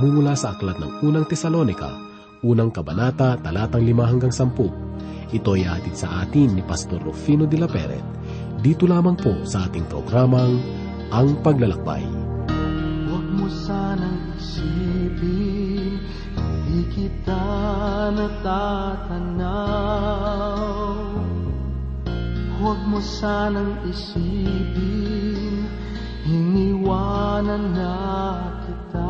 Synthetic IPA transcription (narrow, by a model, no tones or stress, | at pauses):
mumʊlasɐʔɐklat̪nɐ̰ŋʔuːnɐŋt̪ɛsɐlo̞nɪka̰ | ʔuːnɐŋkɐbɐnaːt̪ɐt̪ɐlaːt̪ɐŋlɪmaɦɐŋɡaŋsɐmpo | ʔɪt̪o̞ɛjɐa̰at̪id̪sɐʔaːt̪ɪŋnipɐst̪oɾːofiːnod̪ɪlɐpɛ̰ɾɛ̰t̪̚ | d̪iːt̪olaːmɐŋpo̞sɐʔaːt̪ɪŋpɾo̰ɡɾaːmɐŋ | ʔɐŋpɐɡlɐlɐk̚ba̰j | wɐɡ̚mosanɐŋɪsipɪŋ | hɐd̪ikɪt̪a | nɐt̪at̪ɐna | w | wɐɡ̚mosanɐŋɪsipɪŋ | hɪniwanɐnːɐ | kɪt̪a